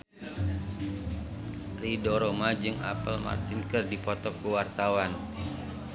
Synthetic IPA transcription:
ridɔɾomad͡ʒɨŋa̰pəlma̰rt̪inkərdipɔt̪ɔkkuwart̪awan

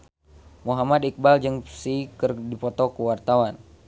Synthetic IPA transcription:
muɦamad̪ik̚bald͡ʒɨŋsikərdipɔt̪ɔkəwart̪awan

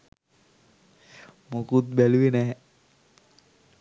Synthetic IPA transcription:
mokut̪̚bæluʋenɛ

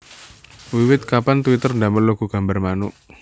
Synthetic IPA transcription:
wiwɪt̪̚kapant̪wit̪ərndaməluɡ̥uɡ̥a̤mbarmanʊʔ

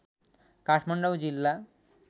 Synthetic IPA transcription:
kaʃmaɳɖawd͡ʑilːa

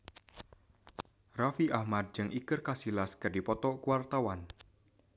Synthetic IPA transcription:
rafiʔahmad̪̚d͡ʒɨŋʔikɨrkasilaskɨrdipɔt̪ɔkuwart̪awan

